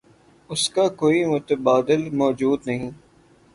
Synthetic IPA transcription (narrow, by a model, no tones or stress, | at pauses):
ʊskakoːimʊt̪əbaːd̪ɪlmɔːd͡ʒuːd̪nɐɦĩː